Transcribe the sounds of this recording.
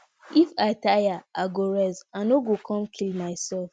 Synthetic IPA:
ifaɪtajaaɡoɹɛstãnoɡokʰɔ̃mkʰilmaɪsɛlf

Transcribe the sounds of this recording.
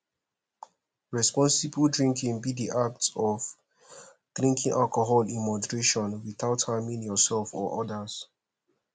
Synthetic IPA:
ɹɛspɔ̃nsibldɹĩŋkʰĩŋbidiʔak̚tɔv | d̥ɹĩŋkĩŋʔalkɔɦɔlĩnmɔdəɹeʃɔ̃nwiθaʊthamĩŋjɔsɛlfɔ̰ʔɔdaz̥

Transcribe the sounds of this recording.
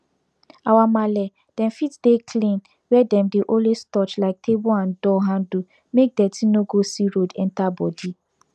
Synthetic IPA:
awamalɛ | d̥ɛ̃mfitdekʰlĩn | wɛdɛ̃mdeʔɔ̃lwestɔt͡ʃlaɪk̚tʰeboãndɔɦãndu | mek̚dɛtʰĩnoɡosiɹodɛ̃ntabɔdi

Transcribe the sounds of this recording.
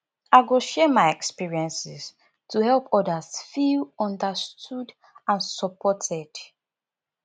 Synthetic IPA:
aɪɡoʃetmaɪɛkspiɹiɛ̃nsis | tuhɛlˠpʰɔdasfilɔ̃ndəstʰud | ãnsɔpɔtʰɛd̥

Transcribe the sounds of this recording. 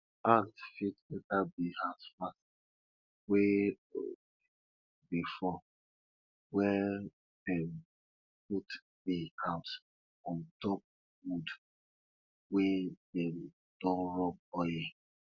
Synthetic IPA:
antfitɛtabihasfast | we | o̰ | bifɔ | wɛ | dɛm | put | dikʰãʊt | ɔ̃ntɔp̚ | wud | wedɛm | d̥ɔ̃nɹɔb̚ɔjɛ

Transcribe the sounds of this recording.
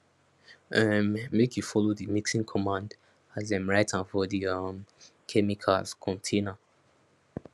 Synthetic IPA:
ɛmːekʰjufɔloðimiksĩŋkʰɔmãnd | azɛ̃mɹaɪtãnfɔðiʌm | kʰɛmikʰalskʰɔ̃ntʰenə

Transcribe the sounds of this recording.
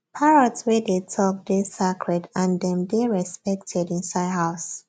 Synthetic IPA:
pʰaɹɔdswɛdetʰɔk̚desakʰɹɛdãndɛ̃mdeɹɛspɛktʰɛdĩnsaɦaʊs

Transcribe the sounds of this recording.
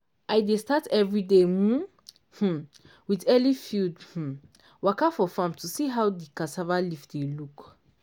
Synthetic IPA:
ʔajdestatɛvɹidemũn | h̩ | widɛlifidh̩ | wakafɔfãmtʰusiɦawdikasavalifdeluk

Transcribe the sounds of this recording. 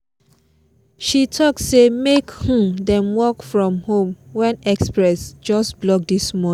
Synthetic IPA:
ʃitʰɔk̚tsemekhũdɛ̃mwɔkfɹɔ̃mhõmwɛ̃nɛkspɹɛsd͡ʒɔsblɔk̚dismɔ

